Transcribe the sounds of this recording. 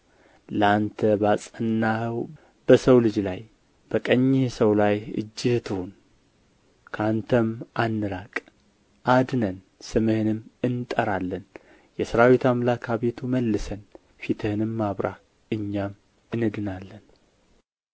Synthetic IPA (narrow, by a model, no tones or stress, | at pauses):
ləant̪ʰəbasʼənːahɨw | b̥əsəwlɨd͡ʒlaj | b̥əkʼəɲːihsəwlajɨ̰d͡ʒːɨt̪ʰɨhun | kʰant̪ʰəmʔanːɨɾakʼ | ʔad̪nən | sɨmɨhɨnɨmɨnt̪ʼəɾalːən | jɛsɨɾawit̪amlakʰaβe̞t̪ʰuməlːɨsən | fit̪ʰɨhɨnɨmːaβɾʔa̰ | ɨɲːam | ɨnɨd̪ɨnalːən